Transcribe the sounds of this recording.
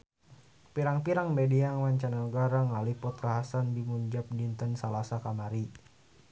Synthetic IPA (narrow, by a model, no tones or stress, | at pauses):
piɾaŋpiɾaŋbɛdiaŋwaɲt͡ʃanauɡaɾaŋalipʊt̪̚kaɦasandimuɲd͡ʒap̚dint̪ənsalasakamaɾi